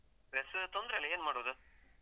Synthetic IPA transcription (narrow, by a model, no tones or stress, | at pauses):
ɾest̪ɔnd̪ɾɐɪlɐeːnmaːɽɯʋɐd̪ɯ